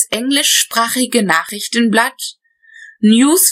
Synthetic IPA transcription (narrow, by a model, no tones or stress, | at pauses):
sʔɛŋlɪʃːpʁ̥aːχɪɡənaːχʁɪçtn̩blat | njuːs